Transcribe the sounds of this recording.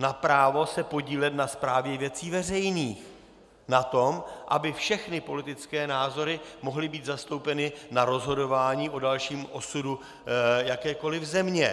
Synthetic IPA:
napɾaːvo̞sɛpo̞ɟiːlɛt̪naspɾaːvjɛvjɛt͡siːvɛrɛjniːx | nat̪o̞mʔa̰bɪfʃɛxnɪpo̞lɪt̪ɪt͡skɛːnaːzo̞ɾɪmo̞ɦlɪbiːt̪zast̪o̞wpɛnɪnaɾo̞zɦo̞do̞vaːɲiːʔo̞dalʃiːmʔo̞sudu | jakɛːko̞lɪvzɛmɲɛ

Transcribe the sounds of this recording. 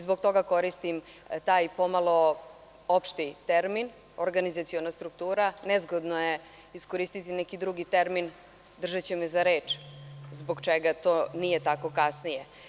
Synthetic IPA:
zboɡ̚t̪o̞ɡako̞ɾist̪im | t̪aːjpo̞malˠo̞ | opʃt̪it̪eɾmin | oɾɡanizat̪sijonast̪ɾuk̚t̪uːɾanɛzɡod̪noje | isko̞ɾiːst̪it̪inɛkid̪ɾuɡit̪eɾmin | d̪r̩ʒat͡ɕemɛzaɾe̞ːt͡ʂzboɡt͡ʃeɡat̪oːnije̞t̪ako̞kasnije

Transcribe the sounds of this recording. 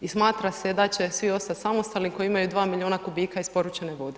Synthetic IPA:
ismaːt̪ɾased̪at͡ɕe̞sʋio̞st̪at̪ʲsamo̞st̪alimko̞jiimajud̪ʋaːmilʲioːnakubiːkaispo̞ɾut͡ʃeneʋo̞d̪e

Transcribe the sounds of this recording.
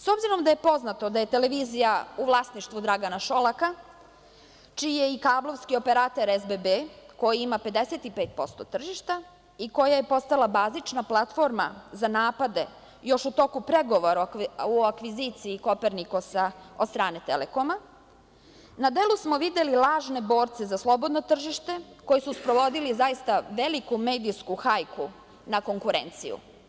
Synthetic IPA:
so̞bziɾo̞md̪aje̞po̞znat̪o̞d̪aje̞t̪e̞leʋiːzijauʋlˠasniʃt̪vʋud̪ɾaɡanaʃo̞lˠaka | t͡ʃiːje̞ikaːblˠo̞ʋskio̞pe̞ɾaːt̪eɾezbebekojiimape̞d̪eset̪ipeːt̪̚po̞st̪o̞t̪r̩ʒiʃt̪a | iko̞jaje̞po̞st̪alˠabaːzit͡ʃnaplˠat̪fo̞ɾma̰zanaːpad̪e̞ | jo̞ʃut̪o̞kupɾe̞ɡo̞ʋo̞ɾauakʋiziːt̪siːko̞peɾnikosaost̪ɾaːne̞t̪ḛleko̞ma | nad̪e̞lˠusmo̞ʋid̪elilˠaːʒne̞bo̞ːɾt̪se̞zaslˠo̞bo̞d̪no̞t̪r̩ʒiʃt̪e̞ko̞jisuspɾo̞ʋo̞d̪ilizajist̪aʋelikume̞ːd̪iskuxajku | nako̞ŋkuɾḛnt̪sijṵ

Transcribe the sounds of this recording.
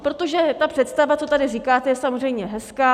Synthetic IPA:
pɾo̞t̪o̞ʒɛt̪apr̝̥ɛt̪st̪avat͡sot̪adɪriːkaːt̪ɛjɛsamozr̝ɛjmɲɛɦɛskaː

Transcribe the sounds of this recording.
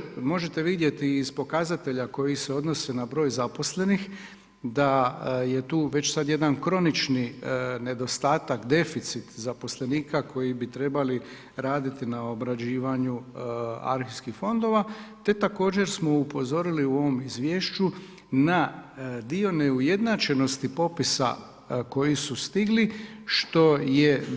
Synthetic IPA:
mo̞ʒet̪e̞ʋid̪je̞t̪iːzpo̞kazat̪e̞ʎako̞jise̞o̞d̪no̞se̞nabɾo̞ːjzapo̞sle̞nix | d̪aje̞t̪uːʋe̞t͡ɕsad̪je̞d̪ankɾo̞nit͡ʃnine̞d̪o̞st̪aːt̪akd̪e̞fit̪sit̪zapo̞sle̞niːkakʰo̞jibit̪ɾe̞bali | ɾaːd̪it̪inao̞bɾad͡ʑiːʋaɲu | a̰ɾxiskixfo̞nd̪o̞ʋat̪e̞t̪ako̞ːd͡ʑe̞ɾsmo̞upo̞zo̞ɾiliuo̞ʋo̞mizʋje̞ːʃt͡ʃu | nad̪io̞neuje̞d̪nat͡ʃe̞no̞st̪ipo̞pisa̰ | ko̞jisust̪iɡliʃt̪o̞je

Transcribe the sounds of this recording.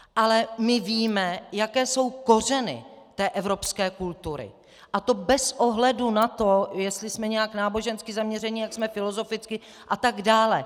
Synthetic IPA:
ʔalɛmɪviːmɛjakɛːso̞wko̞r̝ɛnɪ̰t̪ɛːʔɛvɾo̞pskɛːkult̪uɾɪ̰ | ʔat̪o̞bɛsʔoɦlɛdunat̪o̞jɛst̪lɪsmɛɲɛjaknaːbo̞ʒɛnskɪzamɲɛrɛɲɪjaksmɛfɪlo̞zo̞fɪt͡skɪ | ʔat̪aɡdaːlɛ

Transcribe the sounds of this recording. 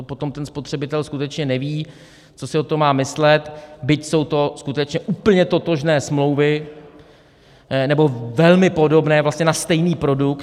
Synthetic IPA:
pot̪o̞mt̪ɛnspot̪r̥ɛbɪt̪ɛlskut̪ɛt͡ʃɲɛnɛviː | t͡so̞sɪot̪omːaːmɪslɛt̪bɪcso̞wt̪o̞skut̪ɛt͡ʃɲɛʔuːpl̩ɲɛt̪o̞t̪o̞ʒnɛːsmlo̞wvɪ | nɛbo̞vɛlmɪpo̞do̞bnɛːvlast̪ɲɛnast̪ɛjniːpɾo̞dukt̪

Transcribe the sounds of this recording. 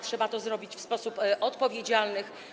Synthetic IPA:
tʂɛbat̪ɔzɾɔbʲit͡ɕfspɔsupʔɔt̪pɔvʲjed͡ʑalnɘ

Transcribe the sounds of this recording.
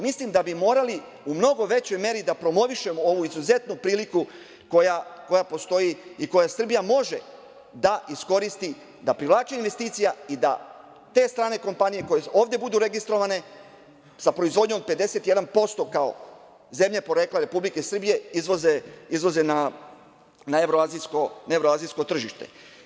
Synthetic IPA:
mislimd̪abimo̞ːɾali | umno̞ɡo̞ʋe̞t͡ɕo̞jme̞ɾid̪apɾo̞mo̞ʋiʃe̞moo̞ʋuizuze̞t̪nupɾiːliku | kojako̞japo̞st̪o̞jiiko̞jasr̩bijamo̞ʒe̞̰ | d̪aisko̞ɾist̪i | d̪apɾiʋlˠaːt͡ʃeinʋe̞st̪iːt̪sijaid̪a̰ | t̪e̞ːst̪ɾaːne̞ko̞mpanije̞ko̞jeo̞ːʋd̪je̞bud̪uɾe̞ɡist̪ɾo̞ʋane̞ | sapɾoizʋo̞d̪ɲo̞mpe̞d̪ese̞t̪je̞d̪anpo̞st̪o̞kao̰ | ze̞mʎe̞po̞ɾe̞ːkleɾe̞publike̞sr̩bije̞izʋozeizʋoze̞na | naeʋɾoaziskonaeʋɾoaːzijsko̞t̪r̩ʒiʃt̪e̞̰

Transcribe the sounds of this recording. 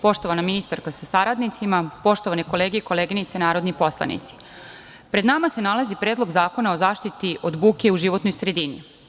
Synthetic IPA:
po̞ʃt̪o̞ʋanaminist̪aɾkasasaɾad̪nit̪simapo̞ʃt̪oʋaneko̞leːɡeiko̞leːɡinit̪senaːɾo̞d̪nipo̞slˠa̰nḭt̪si̥ | pɾed̪namase̞nalazipɾeːd̪lo̞ɡzaːko̞nao̞zaːʃt̪it̪iʔod̪buːkeuʒiʋo̞t̪nojsɾe̞d̪inḭ

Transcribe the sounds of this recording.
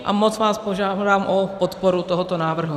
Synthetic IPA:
ʔa̰mot͡svaːspoʒaːdaːmʔopot̪poɾut̪oɦot̪onaːvr̩ɦu

